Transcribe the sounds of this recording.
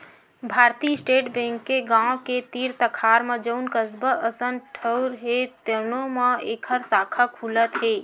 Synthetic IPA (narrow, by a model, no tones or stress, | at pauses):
bʱaɾt̪isʈeʈbẽŋkːeɡãoket̪iɾt̪əkʰaɾmed͡ʒəʊnkəsbəʔəsənʈʰəwɾɦet̪ənoməekʰəɾsakʰəkʰulət̪ɦe